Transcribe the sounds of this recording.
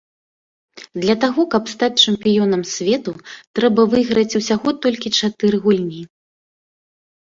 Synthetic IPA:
d̪lʲɐt̪aɣɔkɐpst̪at͡sʲt͡ʂɛmpʲijɔnɐmsʲvʲɛt̪ut̪ɾɛbɐvɨɣɾɐt͡sʲusʲaɣɔt̪ɔlʲkʲit͡ʂat̪ɨɾɨɣulʲnʲi

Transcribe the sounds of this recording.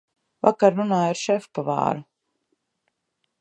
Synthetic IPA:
vakaɾːunaːiɾʃɛfpava̰ːɾu

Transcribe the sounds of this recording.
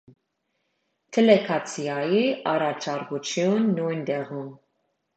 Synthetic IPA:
t̪ʰɛlɛkʰɑt͡sʰiɑjiʔɑɾɑt͡ʃʰɑɾkut͡ʃʰjunːujnt̪ɛʁum

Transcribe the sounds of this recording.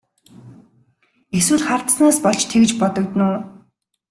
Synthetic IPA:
eswɘ̆ɮχart̪snaːspɔɮt͡ɕt̪ʰekt͡ɕpɔt̪ɞ̆kt̪nʊː

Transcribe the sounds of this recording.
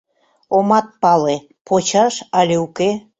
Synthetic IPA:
omɑt̪̚pɑle | pʰot͡ɕɑʃɑlʲeuke

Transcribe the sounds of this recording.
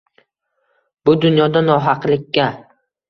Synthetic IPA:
bʊd̪ʊnjɒd̪anɒɦɑqlɪkʲːa

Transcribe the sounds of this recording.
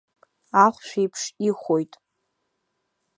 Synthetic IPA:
aχʷʃᶣejpʰʂiχʷojtʼ

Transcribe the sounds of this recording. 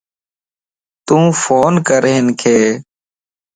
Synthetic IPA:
t̪ũːfoːnkəɾɦenkʰeː

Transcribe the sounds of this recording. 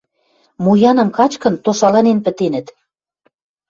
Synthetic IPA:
mujɑnɤ̆mkɑt͡ɕkə̆nt̪oʃɑlɑnenpə̆t̪enə̆t̪

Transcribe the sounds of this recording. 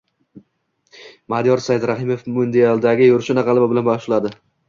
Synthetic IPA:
mad̪ijɒɾsajɪd̪ɾaɦɪmofmʊnd̪ealˠd̪aɡʲɪjʊɾʃɪnaʁɑlˠababɪlanbaʃlad̪ɪ

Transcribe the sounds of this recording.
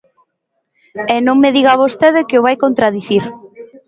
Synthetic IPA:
enõŋmeðiɣaβost̪eðɪkeʊβ̞ajkont̪ɾaðiθiɾ

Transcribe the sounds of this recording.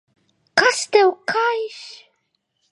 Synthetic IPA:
kast̪ɛwkʰajʃ

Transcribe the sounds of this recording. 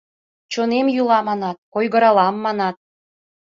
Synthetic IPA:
t͡ɕonemjulɑmɑnɑt̪̚kojɣəɾɑlɑmːɑnɑt̪̚

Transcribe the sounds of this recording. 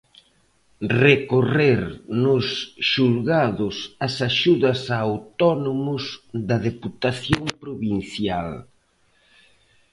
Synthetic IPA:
rekoreɾnʊsʃulɣaðʊsɐsaʃuðɐsawt̪ɔnomʊzðɐðeput̪aθjompɾoβinθjal

